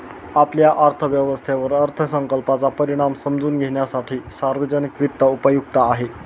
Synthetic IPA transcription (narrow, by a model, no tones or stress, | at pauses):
apljaʔəɾt̪ʰəʋjəʋəst̪ʰeʋəɾəɾt̪ʰəsəŋkəlpat͡sapəɾiɽ̃amsəmd͡zuːnɡʱeɳjasaʈʰiːsaɾʋəd͡zənikʋit̪ːəupəjuk̚t̪aːɦe